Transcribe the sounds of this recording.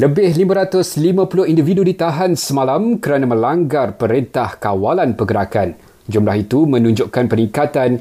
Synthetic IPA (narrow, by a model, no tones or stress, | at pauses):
ləbɪhlimãɾat̪ʊslimãpulʊhindividudit̪aɦansəmalamkəɾanãmə̃laŋɡarpəɾint̪ahkawalanpəɡəɾakan | d͡ʒumlahit̪umə̃nũɲd͡ʒʊʔkanpənĩŋkat̪an